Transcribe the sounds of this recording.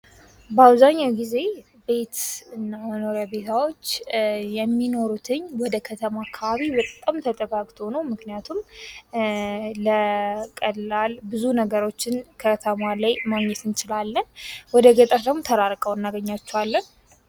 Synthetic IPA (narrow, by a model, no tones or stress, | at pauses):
bəaβzaɲːawɡize̞ | be̞t̪ɨnːaməno̞ɾjabe̞t̪ʰawo̞t͡ʃːjɛmːino̞ɾut̪ʰɨɲwɔd̪əkʰət̪ʰəmaakʰːaβaβibət̪ʼːamt̪ʰət̪ʼəɡaɡt̪ʰo̞nəwmɨknijat̪ʰum | əkʼəlalbɨzunəɡəɾo̞t͡ʃːɪnkʰət̪ʰəmalajmaɡɲːɛt̪ɨnt͡ʃɪlalːənwɔd̪əɡət̪ʼəɾd̪əmmot̪ʰəɾaɾkʼəwɨnːaɡəɲːat͡ʃːɛwalːən